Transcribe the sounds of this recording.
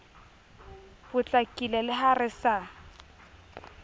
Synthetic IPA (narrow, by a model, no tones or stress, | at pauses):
bʊt͡ɬʼakʼilɛlɪɦarɪsa